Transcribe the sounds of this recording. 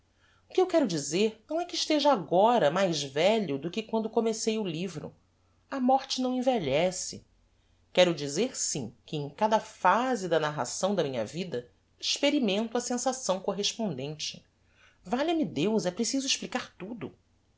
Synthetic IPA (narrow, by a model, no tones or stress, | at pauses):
ʊkɪewkɛɾʊd͡ʒizeɾnɐ̃w̃ɛkɪʃt̪eʒɐaɡɔɾɐmajzvɛʎʊd̪ʊkɪkwɐ̃nd̪ʊkomesejʊlivɾʊ̰ | ɐmɔɾt͡ʃɪnɐ̃w̃ẽveʎɛsɪ̰ | kɛɾʊd͡ʒizeɾsĩkɪẽj̃kad̪ɐfazɪd̪ɐnaɦa̰sɐ̃w̃d̪ɐmĩɲɐ̰vid̪ɐ | iʃpeɾimẽnt̪ʊɐsẽsasɐ̃w̃koɦeʃpõnd̪ẽnt͡ʃɪ̥ | vaʎɐmɪd̪ewzɛpɾesizʊiʃplikaɾt̪ud̪ʊ